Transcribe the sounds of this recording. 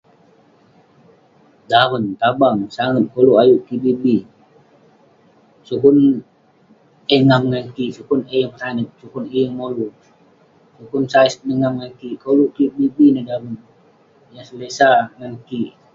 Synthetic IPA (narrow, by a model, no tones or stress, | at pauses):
dawənt̪abaŋsaŋən̚koluʔajuʔkibibi | sukun | əŋamŋankiʔsukunejəŋpətanək̚sukunijəŋmolu | sukunsaisnəŋamŋaŋkikoluʔkibibinədawən | jaŋsəlesaŋankiʔ